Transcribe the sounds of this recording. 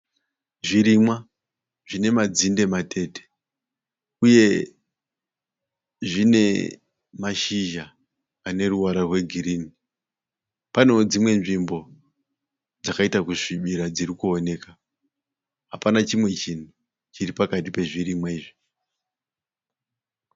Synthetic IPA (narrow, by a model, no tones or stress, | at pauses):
ʐiɾimwa | ʐine̞mad͡zinde̞matʰe̞te̥ | uje̞ | ʐine̞ | maʃiʒaː | ne̞ruwaɾarwe̞ɡʱiɾini | pano̞d͡zimwe̞nʐimbo̞ | d͡zakaitakuʂiɓiɾad͡zirikuone̞ːka | ɦapanat͡ʃimwe̞t͡ʃin̤u | t͡ʃiɾipakatipe̞ʐiɾimwaiːʐi